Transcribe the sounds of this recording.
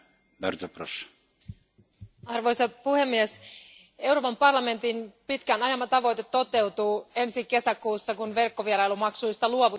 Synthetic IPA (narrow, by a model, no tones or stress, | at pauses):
bḛrt̪opro̰s | ɑrʋo̞jsɑpuhe̞mːies | e̞wɾoːpɑmpɑrlɑme̞nt̪inpit̪kænɑjɑmːɑt̪ɑʋo̞jt̪e̞t̪ːo̞t̪e̞wt̪uːe̞nsike̞sækuːsːɑkunʋe̞rkːo̞ʋieɾɑjlumɑksujst̪ɑluoʋu